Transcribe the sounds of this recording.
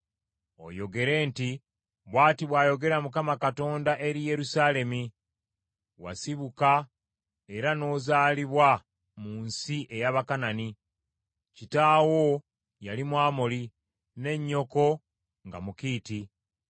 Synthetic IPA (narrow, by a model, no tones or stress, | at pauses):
o̞̰jo̞ɡe̞ɾe̞ːnti | βwaːtiβwaːjo̞ɡe̞ɾamukamakato̞ːndaʔe̞ɾije̞ɾusale̞mi | wa̰siβuka | e̞ɾano̞ːzaːliβwa | muːnsiʔe̞jaβakanani | citaːwo̞ | jalimwaːmoli | ne̞ɲːo̞ko̞ | ŋɡa̰mukiːti